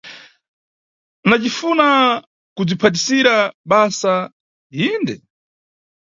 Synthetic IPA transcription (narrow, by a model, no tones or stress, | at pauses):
nat͡ʃifuna | kud͡zipʰat̬isiɾaɓasa | indɛ